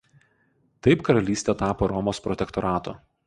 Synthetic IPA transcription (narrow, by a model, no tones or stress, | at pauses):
t̪ɐɪpkɐɾɐlʲiːsʲt̪ʲɛt̪ɑːpoːɾɔmoːspɾɔt̪ʲɛkt̪ɔɾɑːt̪o̰ː